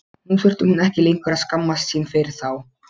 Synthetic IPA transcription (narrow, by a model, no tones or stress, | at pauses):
hunfʏr̥t̪ʏhunɛhcɪleŋkvɛɾaðskamːast̪sinfɪɾɪɾ̥θaw